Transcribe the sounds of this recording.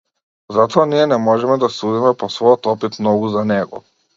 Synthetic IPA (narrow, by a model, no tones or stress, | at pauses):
zat̪ɔaniɛnɛmɔʒɛmɛd̪asud̪imɛpɔsvɔjɔt̪ɔpit̪mnɔɡuzanɛɡɔ̰